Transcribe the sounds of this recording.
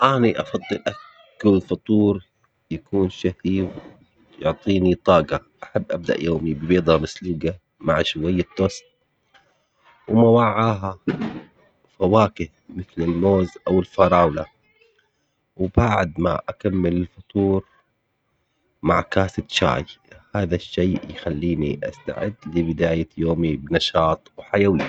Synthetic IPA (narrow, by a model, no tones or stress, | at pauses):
ʔaːniʔɑfɑd̪ˤːɨlʔa | kːʊlfɑt̪ˤuːɾ | jakuːnʃahiw | jʊʕt̪ˤiːnit̪ˤɑːɡɑʔaħabːʔab̚d̪a̰ʔjoːmibɪbiːd̪ˤɑmasluːɡa | maʕʃwajːɪt̪ːost̪̚ | wmawaʕːaːɦa | fawaːkɪhmɪθlɪlmoːzʔawɪlfɑɾˤɑːwla | wbaʕd̪ma̰ʔakamːɪlɪlfʊt̪ˤuːɾ | ma̰ʕkaːsɪt̪ʃa̰ːjhaːðaʃːeːjxalːiːnḭʔa̰st̪a̰ʕɪ̰d̪lɪbɪd̪aːjajoːmibnɑʃɑːt̪ˤwħajawiː